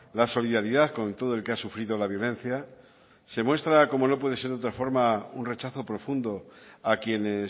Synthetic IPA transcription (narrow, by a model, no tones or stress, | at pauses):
laso̞liðaɾiðaθko̞nt̪o̞ð̞oe̞lke̞asufɾiðo̞laβjo̞lẽ̞n̟θja | se̞mwe̞st̪ɾako̞mo̞no̞p̬we̞ð̞e̞seɾðo̞t̪ɾafo̞ɾmaunre̞t͡ʃaθo̞pɾo̞fund̪o̞akje̞ne̞